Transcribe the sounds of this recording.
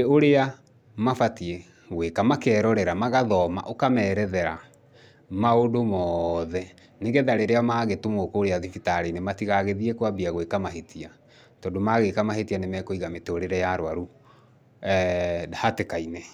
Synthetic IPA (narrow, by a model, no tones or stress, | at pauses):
oɾea | mafatie | ɣwekamakɛɾɔɾɛɾamaɣaðɔma̰ʔokamɛːɾɛðɛɾa | maodomɔðɛ | neɡeðaɾeɾeamaɣetumokːɾeaðifitaɾenematiɣaɣeðiekwabiaɣwekamaɦetia | tɔdomaɣekamaɦetianemɛkoiɣametoɾeɾɛjaɾwaɾu | ahatekainɛ